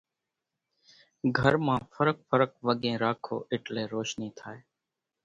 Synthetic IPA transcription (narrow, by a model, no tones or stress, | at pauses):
ɡʱəɾmãːfʰəɾək̚fəɾək̚ʋəɠẽːɾaːkʰo̰ːʔɪʈleːɾoːʃniːt̪ʰaːeː